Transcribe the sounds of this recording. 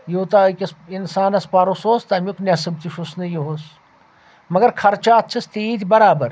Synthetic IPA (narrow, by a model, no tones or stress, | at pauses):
joːt̪akʲɐsinsaːnɐspaːɾosoːst̪ɐmʲoknʲɐsɐb̚t̪iʃusnɐjoɦos | mɐɡɐɾkʰɐɾt͡ʃaːt̪̚t͡ʃʰɐst̪id̪ʲbɐɾaːbɐɾ